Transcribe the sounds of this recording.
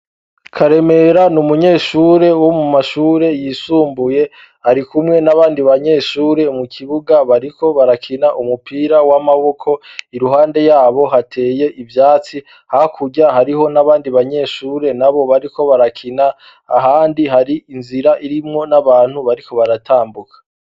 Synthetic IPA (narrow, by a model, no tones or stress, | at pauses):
kʰaɾe̞me̞ɾanumuɲe̞ːʃuːɾe̞womumaʃuːɾe̞jisuːmbuje̞ | haɾikumŋe̞naβaːndiβaɲe̞ːʃuːɾe̞mukʰiβuɡaβaɾikʰo̞βaɾakʰinaʔumupiːɾawamaβo̞kʰo̞iɾuɦaːnde̞jaːβo̞ɦatʰe̞ːje̞ʔivjaːt͡si | hakʰuɟaɦaɾiho̞naβaːndiβaɲe̞ːʃuːɾe̞naβo̞βaɾiko̞βaɾakʰinaː | ɦaːndiɦaɾiinziɾaʔiɾimŋo̞naβaːn̥huβaɾiko̞βaɾatʰaːmbukḁ